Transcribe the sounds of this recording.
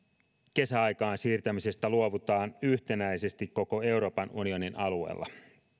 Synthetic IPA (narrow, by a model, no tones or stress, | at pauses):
ke̞sæɑjkɑːnsiːrt̪æmise̞st̪æluoʋut̪ɑːnyht̪e̞næise̞st̪ikko̞ko̞e̞uɾo̞ːpɑnunio̞ninɑlue̞̰ːlːɑ̰